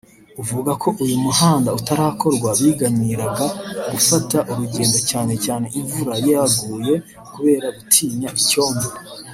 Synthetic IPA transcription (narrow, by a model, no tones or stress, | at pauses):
uvuɡakʰo̞ʔujumuhaːndautaɾaːkʰo̞ɾɡwaβiːɡaɲiɾaɡaɡufataʔuɾuɟe̞ːndo̞caːne̞caːne̞ʔiɱvuɾajiaɡuːje̞ | kuβe̞ːɾaβitʰiːɲɲaʔico̞ːmbeɾe